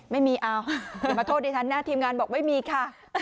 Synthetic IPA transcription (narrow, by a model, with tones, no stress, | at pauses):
ma˧˥˩jmi˧ʔaː˧wmaː˨˩t̪ʰoː˧ɗi˨˩t̪ʰa˨˧˩nːaː˧˩t̪ʰi˧mŋaː˨˧nɓɔː˨˩k̚ma˦˥jmi˧kʰaː˧˩